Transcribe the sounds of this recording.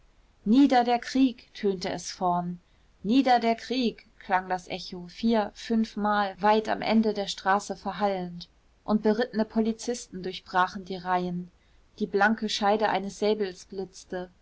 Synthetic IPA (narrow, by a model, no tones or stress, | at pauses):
niːdɐdeːɐkʁ̥iːktʰøːntəʔɛsfɔɐn | niːdɐdeːɐkʁ̥iːkʰl̥aŋdasʔɛçofiːɐfʏnfmaːlvaɪta̰mʔɛ̰ndədeːɐʃtʁ̥aːsəfɛɐɦalənt | ʔʊnt̚b̥əʁɪtənəpʰolit͡sɪstn̩dʊɐçb̥ʁaːχn̩diːʁaɪən | d̥iːblaŋkəʃaɪdəʔa̰ɪnəsz̥ɛːbl̩sb̥lɪt͡stə